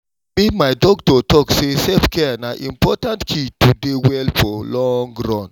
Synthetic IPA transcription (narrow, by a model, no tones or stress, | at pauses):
mimaɪdɔktɔtɔksesɛpkɛanaʔḭ̃mpɔtãntkʰitudewɛlfɔlɔ̃ŋɡɾãnd